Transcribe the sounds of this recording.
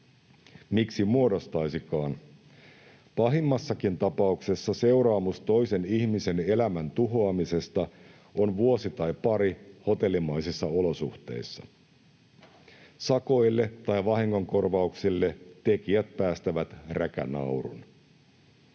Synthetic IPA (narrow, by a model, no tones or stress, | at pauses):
miksimuo̞do̞st̪ɑjsikɑːn | pɑɦimːɑsːɑkint̪ɑpɑukse̞sːɑse̞wɾɑːmust̪o̞jse̞niçmise̞ne̞læmænt̪uɦo̞ɑmise̞st̪ɑ | o̞nʋuo̞sit̪ɑjpɑɾiho̞t̪e̞lːimɑjsisːɑolo̞suht̪e̞̰jsːɑ̰ | sɑko̞jlːet̪ɑjʋɑɦiŋːo̞ŋko̞rʋɑuksilːe̞t̪e̞kiæt̪̚pæːst̪æʋæt̪rʔækæ̰nɑ̰wɾṵn